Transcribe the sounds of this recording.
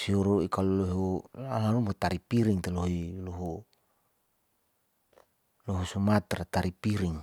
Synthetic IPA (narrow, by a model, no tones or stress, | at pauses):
siɔɾuikalulɔɦualalumpot̪aɾipiɾiŋt̪eloɦiloɦu | lɔɦusumat̪rat̪aɾipiɾiŋ